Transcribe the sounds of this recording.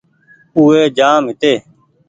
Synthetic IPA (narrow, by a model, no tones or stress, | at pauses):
uːeːd͡ʒaːmɦɪt̪eː